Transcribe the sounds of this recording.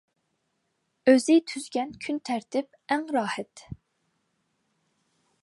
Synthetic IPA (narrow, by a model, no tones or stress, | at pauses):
øzɪt̪ʰyzɡʲɛnkʲʰynt̪ʰæɾt̪ʰɪp̚ | æŋɾɑːhɛt̪